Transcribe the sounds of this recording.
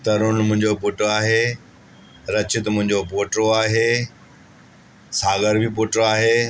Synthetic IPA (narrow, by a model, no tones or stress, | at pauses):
t̪ɐɾʊnmʊ̃ɦɪ̃ɲd͡ʑopʊʈoaːɦeː | ɾɐt͡ɕɪt̪mʊ̃ɦɪ̃ɲd͡ʑopoːʈɾoaːɦeː | saːɡəɾbʱipoːʈɾoaːɦeː